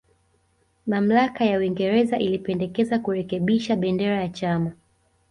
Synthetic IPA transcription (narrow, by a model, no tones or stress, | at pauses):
mam̩lakajauwiŋɡɛɾɛzaʔilipɛndɛkɛzakuɾɛkɛɓiʃaɓɛndɛɾajat͡ʃama